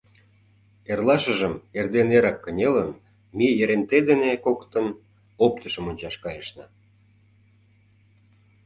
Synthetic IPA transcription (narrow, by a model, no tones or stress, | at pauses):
erlˠɑʃə̆ʒəmerd̪eneɾɑkːənʲelən | mijəɾent̪ed̪enekokt̪ən | op̚t̪əʃəmonʲt͡ɕɑʃkɑjəʃnə̆